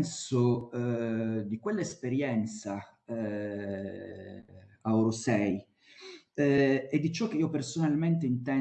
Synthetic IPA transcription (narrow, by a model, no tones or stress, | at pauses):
nso | d̪ikwelːaespeɾjɛnt̪sa | aɔɾosɛj | ed̪ːit͡ʃɔkːeiːopersonalment̪eint̪ɛ